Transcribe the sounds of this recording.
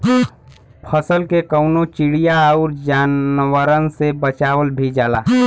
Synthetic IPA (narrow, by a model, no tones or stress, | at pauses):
pʰəsəlkekəʊnot͡ʃiɽijaɔʊɾd͡ʒaːnwəɾənsebət͡ʃaːwəlbʱid͡ʒala̰ː